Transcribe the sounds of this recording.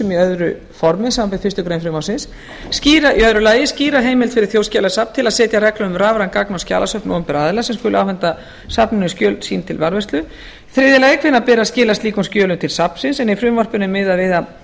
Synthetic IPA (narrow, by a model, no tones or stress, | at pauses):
ɛmiœðɾʏ | fɔɾmɪsaːmapɛ̥fɪ̥rst̪ʏkɾejnfɾɪːmawsɪnsː | ciːɾaiœðɾʏlaːjɪsciːɾaɦeːjmɪlt̪fɪɾɪ̥θjoːwscaːlasapn̥t̪ʰɪlaðsɛːt̪jarɛklʏʏmraːvɾankaknɔsca̰ːlasœhpnɔʏmpɪɾaðlasɛmskʏːlʏa̰wfɛnt̪a | sapnɪnʏskcœːlsiːnt̪ʰɪlvaɾvɛst̪lʏ | θɾɪːðɪlaɛkʰvɪnːapɪːɾascɪːlast̪iːkʏnscœːlʏmt̪ʰɪlsapn̥sɪnsɛnifɾʏmɔr̥pʏnːʏmːɪðaðvɪːða